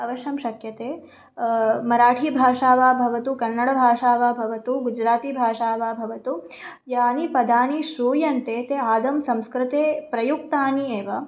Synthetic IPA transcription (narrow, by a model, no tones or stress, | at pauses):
ɐʋɐʃjɐmʃɐkjɐt̪eː | mɐɾaːʈʰiːbʱaːʂaːʋaːbʱɐʋɐt̪ukɐnːɐɽɐbʱaːʂaːʋaːbʱɐʋɐt̪uɡud͡ʒɾaːt̪ibʱaːʂaːʋaːbʱɐʋɐt̪u | jaːnipɐd̪aːniʃɾuːjɐnt̪eːt̪eaːd̪ɐmsɐ̃mskɾɪt̪eːpɾɐjuk̚t̪aːnieːʋɐ